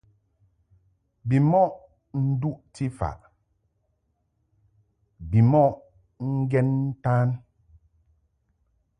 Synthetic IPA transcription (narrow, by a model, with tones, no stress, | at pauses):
bi˨mɔ˦ʔ | n̩˦du˦ʔti˦fa̰˨ʔ | bi˨mɔ˦ʔ | ŋ̩˦ɡɛ˦nn̩˦ta˦n